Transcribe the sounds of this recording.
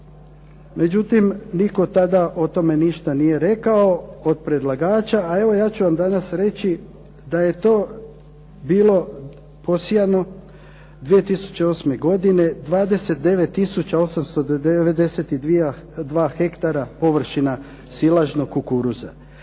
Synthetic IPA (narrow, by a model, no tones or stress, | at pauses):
me̞d͡ʒut̪imniko̞t̪ad̪aʔo̞t̪o̞me̞niʃt̪anije̞ɾe̞kao̞od̪̚pɾe̞d̪lˠaɡaːt͡ʃaːe̞ʋo̞jaːt͡ɕuʋamd̪anasɾe̞t͡ɕi | d̪aje̞t̪o̞ː | biːlo̞ | po̞sijano̞ | d̪ʋije̞t̪isu̥t͡ɕe̞o̞sme̞ɡo̞d̪ine̞d̪ʋaːd̪e̞set̪̚d̪e̞ʋe̞t̪ːisut͡ɕao̞samst̪o̞eʋed̪e̞set̪id̪ʋiad̪ʋaːxe̞kt̪aɾapo̞ʋr̩ʃina | silˠaʒnokkːukuɾuza̰